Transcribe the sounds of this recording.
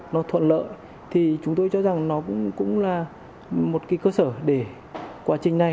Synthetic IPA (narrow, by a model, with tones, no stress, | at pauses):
nɔ˨˦t̪ʰwə̰˧˨nlə̰ː˧˨j | t̪ʰi˨˩t͡ɕʊ˨˦ŋ͡mt̪o˧jt͡ɕɔ˧za˨˩ŋnɔ˨˦kʊ̰˧˥ŋ͡mkʊ̰˧˥ŋ͡mlaː˨˩ | mo˨˩t̚kaː˨˦jkəː˧səː˧˩ɗe˧˩ | kwaː˨˦t͡ɕï˨˩ŋ̟na˨˩j